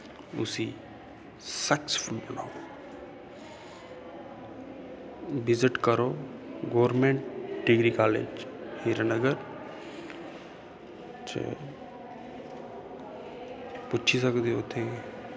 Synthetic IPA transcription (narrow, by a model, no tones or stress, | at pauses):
ʊ̰si | sɛkspʰʊlbəna̰ːo | bɪzɪʈkəɾoːɡoːɾmẽːɳʈɖiɡɾikaːlḛːd͡ʒhiɾənəɡəɾ | t͡ʃḛ | pʊt͡ʃːʰisəkd̪eot̪ʰe